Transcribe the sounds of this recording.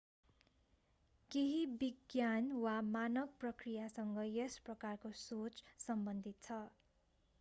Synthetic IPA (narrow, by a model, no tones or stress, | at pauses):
keɦibiɡjanwamanʌk̚prʌkrijasʌŋɡʌjesprʌkarkosot͡ssʌmbʌnd̪ʱit̪̚t͡sʰʌ